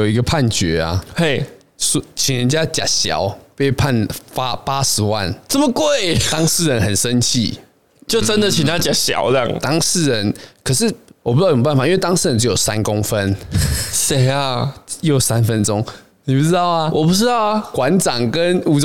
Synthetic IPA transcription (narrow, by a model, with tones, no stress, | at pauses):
o˨˩ʊi˧˥ɡə˧pʰa˥˨nt͡ɕɥɛ˨˦a̰˨˩he˥˩ɪ | st͡ɕʰi˨˩ŋɻə˧˦nt͡ɕja˦t͡ɕja̰˨˩ɕjɑ̰˨˦ʊpe˥˩ɪpʰa˥˨nfa˦˥pa˦˥ʂɻ̩˧˥wa̰˥˨˩nt͡sə˥˩mə˨˩kwe˥˨˩ɪt̪ɑ˥ŋʂ̩˥˩˨ɻə˨˦nxə˨˩nʂə˦nt͡ɕʰḭ˥˩ | t͡ɕjo˥˨ʊə˦nd̪ə˨t͡ɕʰi˨nt̪ʰa˦t͡ɕja˨˩ɕjɑ̰˨˦ʊlŋt̪ɑ˥ŋsɻ̩˥˩ɻə˧˦nkʰə˨˩ʂɻ̩˥˩wu˥˩˨pfa˨i˦nwt̪ɑ˥ŋs̩˥˩ɻə˧˦nʈ͡ʂ̬ɻ̩˧˥jo˨˩sa̰˦nkʊ˦ŋfə˦nse˨˩ɪa˧jo˥˨˩ʊsa˦nfə˦nʈ͡ʂʊ˦ŋ | ni˨pu˥˩t͡sɻ̩˥t̪ɑ˥˩ʊa˨wɔ˨pu˥t͡sɻ̩˥t̪ɑ˥˩ʊ˨˩kwa˧˦nʈ͡ʂɑ˨˩ŋkə˦nu˨˩t͡s